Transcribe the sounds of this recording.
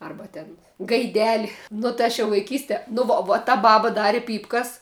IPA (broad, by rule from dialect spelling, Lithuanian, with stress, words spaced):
ˈɐrbɐ tʲɛn ɡɐɪˈdʲæːlʲɪ nʊ tɐɪ ˈɐʃ jɛʊ ʋɐɪˈkʲiːsʲtʲɛ nʊ ˈʋoː ʋoː oː tɐ ˈbɑːbɐ ˈdɑːrʲɪ ˈpʲiːpkɐs